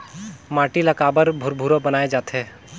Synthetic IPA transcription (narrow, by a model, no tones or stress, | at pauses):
maːʈiləkaːbəɾbʱʊɾbʱuɾobənaːed͡ʒaːt̪ʰeː